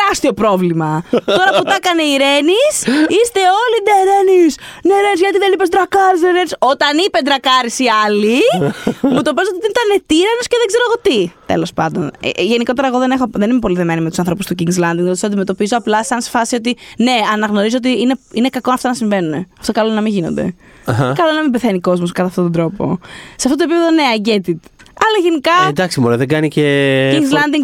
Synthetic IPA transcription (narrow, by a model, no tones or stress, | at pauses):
eɾɐst̪io̞pɾo̞vlimɐt̪o̞ɾɐput̪ɐkɐneiɾe̞nisist̪e̞o̞lineɾenisneɾenizʝɐt̪iðenipe̞zd̪ɾɐkɐɾizneɾenisot̪ɐnipe̞d̪ɾɐkɐɾisiɐli | mut̪o̞pez̬ot̪it̪init̪ɐnet̪iɾɐnosceðeɡze̞ɾoɣo̞t̪it̪e̞̰lo̞spɐnd̪o̞̰nḛʝe̞niko̞t̪e̞ɾɐeɣoðe̞nexoðe̞nimepo̞liðemenimet̪u̥sɐnθɾo̞pust̪uciŋɡzlɐnd̪iŋɡðot̪soɐnd̪ime̞t̪opizo̞ɐplɐsɐnse̥fɐsio̞t̪̬ine̞ɐnɐɣno̞ɾizoot̪iine̞ine̞kɐkonɐft̪onɐsĩɱve̞nuneɐft̪o̞kɐlonɐmiʝino̞nd̪e̞̰ | ɐxɐkɐlonɐmimbeθeniko̞zmoskɐt̪ɐft̪ot̪ond̪ɾo̞po̞̰seɐft̪ot̪opipeðo̞ne̞ɐɲɟet̪it̪ | ɐlɐʝenikɐd̪ɐksimoɾeðeɡɐniceiiŋzlɐnd̪iŋ